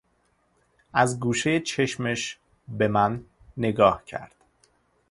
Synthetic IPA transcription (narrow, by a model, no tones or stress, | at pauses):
ʔæzɡuːʃejet͡ʃʰe̞ʃmeʃ | be̞mænː | e̞ɡɒːhcʰæ̰ɾd̪̥